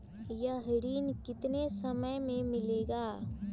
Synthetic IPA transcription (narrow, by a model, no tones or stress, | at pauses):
jɐɦɪɽiːnkɪt̪nesɐməjmẽmɪleːɡaː